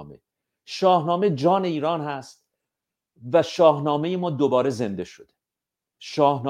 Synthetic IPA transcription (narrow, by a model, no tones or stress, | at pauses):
mḛ | ʃɒːhnɒːme̞d͡ʒɒːne̞iːɾɒːnhæst̪̚ | væʃɒːhnɒːme̞jemɒːd̪obɒːɾe̞ze̞nd̪e̞ʃod̪̥e | ʃɒːhn